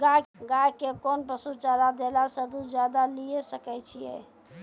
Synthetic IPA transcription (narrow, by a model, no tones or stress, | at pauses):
ɡaɡajkekonpəsut͡ʃalad̪elasəd̪ud͡ʒjad̪alijesəkɛt͡ʃʰijɛ̰